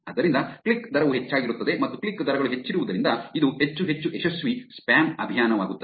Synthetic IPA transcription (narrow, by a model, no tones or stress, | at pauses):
ɐd̪ɐɾind̪ɐkɭikd̪ʱɐɾɐʋuɦe̞t͡ʃːaːɡiɾut̪ːɐd̪e̞mɐt̪ːukɭikːd̪ɐɾɐɡɐɭuɦet͡ʃːiɾuʋud̪ɐɾind̪ɐid̪uhe̞t͡ʃːuɦe̞t͡ʃːuʔeʃɐsʋispaːnɐbʱijaːnɐʋaːɡut̪ːɐ